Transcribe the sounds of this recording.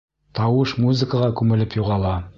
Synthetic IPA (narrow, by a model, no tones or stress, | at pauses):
t̪ɑwɤʃmuzɘkəʁɑkʉmɘ̆lɘpjuʁɑlˠɑ